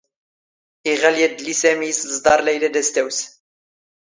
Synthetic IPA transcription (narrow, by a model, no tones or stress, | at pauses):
iʁæljæd̪lisæmiszd̪ɑɾˤlæjlæd̪æst̪æws